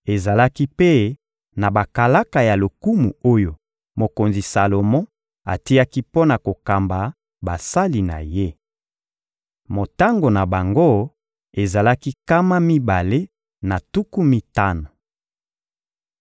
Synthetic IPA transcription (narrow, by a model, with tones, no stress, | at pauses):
e˨za˨la˦ki˦pe˦ | na˨ba˨ka˨la˦ka˨ja˨lo˨ku˦mu˨o˦jo˨ | mo˨ko˨nzi˨sa˨lo˨mɔ̃˦ | a̰˨ti˦ja˦ki˦po˦na˨ko˨ka˨mba˨ | ba˨sa˦li˨na̰˨je˦ | mo˨ta˦ŋɡo˨na˨ba˨ŋɡo˦ | e˨za˨la˦ki˦ka˦ma˦mi˦ba˨le˦ | na˨tu˦ku˦mi˦ta˦no˨